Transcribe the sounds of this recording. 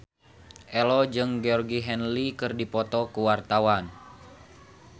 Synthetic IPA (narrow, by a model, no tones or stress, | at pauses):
ʔɛlɔd͡ʒɨŋɡeɔrɡiɦɛnlikɨrdipɔt̪ɔkuwart̪awan